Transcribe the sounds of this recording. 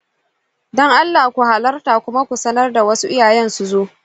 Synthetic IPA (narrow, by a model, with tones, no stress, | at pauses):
dɔ˦ŋʔa˦lːaː˨kʷu˨ha˨lɐ˦rtaː˨kʷʊ˦ma˦kʷu˨sɐ˦nɐ˦rda˨wɐ˦su˦ʔɪ˦jaː˨jɛ˦nsu˨zoː˦ʔ